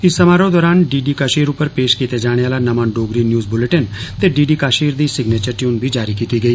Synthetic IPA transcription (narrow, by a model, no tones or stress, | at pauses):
ɪsːɐmaːɾõd̪ɔːɾaːnɖiːɖikaːʃiːɾʊpəɾpeːʃkiːt̪ed͡ʒaːɽ̃eaːlanɐmãːnɖoːɡɾinjuːzbʊləʈənt̪eɖiːɖiːkaːʃiːɾd̪isɪɡneːt͡ʃəɾʈjuːnbʱid͡ʒaːɾikiːt̪iɡɐiː